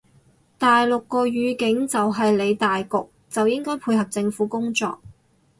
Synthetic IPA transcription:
t̪aː˨jlʊ˨kːɔː˧ɥyː˨˧˥kɪ˨˥ŋt͡sɐ˨wɦɐ˨jle˨˧jt̪aː˨jkʊ˨k̚ | t͡sɐ˨wjɪ˥ŋkɔː˥jpʰuː˧jɦɐ˨p̚t͡sɪ˧ŋfuː˨˥kʊ˥ŋt͡sɔ̰ː˨k̚

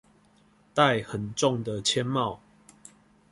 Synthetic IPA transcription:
t̪a˥˨ɪhə˨˩nʈ͡ʂɔ˥˨ŋd̪ə˨t͡ɕʰjɛ˦nmɑ˥˨ʊ

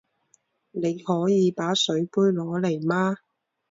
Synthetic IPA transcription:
ne˨˧jhɔː˨˥jiː˨˧paː˨˥sɵ˨˥ɥpuː˥jlɔː˨˧le˨˩jmaː˥

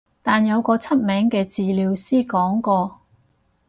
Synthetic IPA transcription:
t̪aː˨njɐ˨˧wkɔː˧t͡sʰɐ˥t̚mɛː˨˥ŋkɛː˧t͡siː˨liː˨˧wsiː˥kɔː˨˥ŋkɔː˧

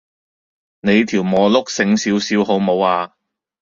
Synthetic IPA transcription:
ne˨˧jt̪ʰiː˨˩wmɔː˨˧lʊ˥k̚sɪ˧ŋsiː˨˧˥wsiː˨˧wɦo˨˧wmo˨˧waː˧

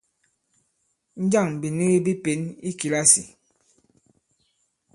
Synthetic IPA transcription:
n̩˦d͡ʒa˦˨ŋ˨bi˨ni˦ɣi˦bi˦pe˨˦ni˦ki˨la˦si˨

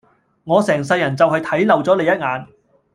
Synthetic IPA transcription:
ŋɔː˨˧sɛː˨˩ŋsɐ˧jːɐ˨˩nt͡sɐ˨whɐ˨jt̪ʰɐ˨˥jlɐ˨wt͡sɔː˨˥le˨jɐ˥t̚ŋaː˨˧n

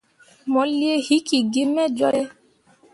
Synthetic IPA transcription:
mɔ˨li˦e˦hi˦ki˨ɡi˦mɛ˦d͡ʒɔ˦ɾɛ˦

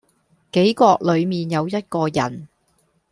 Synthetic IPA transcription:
ke˨˥jkɔː˧k̚lɵ˨˧ɥmiː˨njɐ˨˧wjɐ˥t̚kɔː˧jɐ̰˨˩n

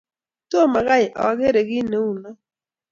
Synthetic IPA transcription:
to˦˨ma˨ɣa˦jʔɔ̰˨˦ɡe˦ɾe˨ɡɪ˦ne˨˦u˨nɔ˦

